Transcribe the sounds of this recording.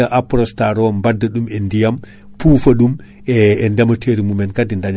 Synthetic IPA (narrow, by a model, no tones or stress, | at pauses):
aʔapɾɔstaɾɔmbadːaɗumɛndijam | puːfaɗum | ɛːndɛmatʰeɾimumɛnkadindaɲ